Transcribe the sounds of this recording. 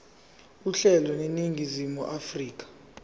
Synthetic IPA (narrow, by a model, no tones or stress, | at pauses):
uɬɛlɔneniŋɡʱizimuʔafriːk̬ʼḁ